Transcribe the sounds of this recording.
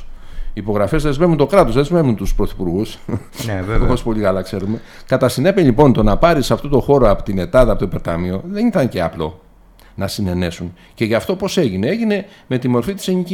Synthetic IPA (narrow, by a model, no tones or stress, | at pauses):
iːpo̞ɣɾɐfe̞zðe̞zme̞vunt̪o̞kɾɐt̪o̞zðezme̞vunt̪uspɾo̞θi̥puɾɣus | noospo̞ʎikɐlɐkse̞ɾume̞ | kɐt̪ɐsine̞piʎipo̞nt̪o̞nɐpɐɾisɐft̪o̞t̪o̞xo̞ɾo̞ɐpot̪ine̞t̪ɐðɐpot̪oipe̞ɾt̪ɐ̰mio̞ðe̞niθɐɲce̞ɐ̰plo̞̰ | nɐsine̞ne̞sun | ce̞ʝɐft̪o̞po̞se̞ʝine̞eʝine̞ | me̞t̪imo̞ɾfit̪i̥seɲici